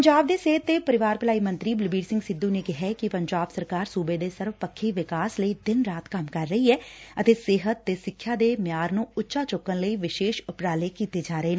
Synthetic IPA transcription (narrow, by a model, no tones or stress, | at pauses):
pəɲd͡ʒaːb̚d̪eːseːət̪ːeːpəɾɪʋaːɾpəlaːiːmə̃nt̪ɾiːbɪlbiːɾsɪ̃ŋɡsɪd̪ːũːneːkɪɦɛkɪpəɲd͡ʒaːbsəɾkaːɾsuːbeːd̪eːsəɾʋpəkʰːiːʋɪkaːsləiːd̪ɪnɾaːt̪kəmkəɾːəiːɛːət̪eːseːɦət̪ːeːsɪkʰːjaːd̪eːmɪjaːɾnũːʊtːʃaːt͡ʃʊkːənləiːʋɪʃeːʃʊpɾaːleːkiːt̪eːd͡ʒaːɾəeːn